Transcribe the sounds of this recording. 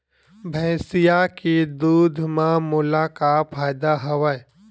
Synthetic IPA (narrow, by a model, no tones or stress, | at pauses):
bʱɛ̃ːsɪjakid̪uːd̪ʱmãmʊlakafʰaːɪd̪aɦɐʋa